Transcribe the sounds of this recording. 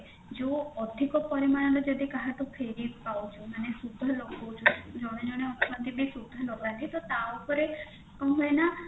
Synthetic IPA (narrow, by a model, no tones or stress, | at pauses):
d͡ʒoɔd̪ʱikɔpɔɾimañalod͡ʒɔd̪ʱikaɦat̪upʰeɾipaut͡ʃʰumanesud̪ʱɔlokʰɔt͡ʃʰud͡ʒɔɽ̃ed͡ʒɔɽ̃eɔt̪mant̪ibʱisud̪ʱːɔlokʋand̪it̪ot̪aupɔɾe | kɔ̃ɦena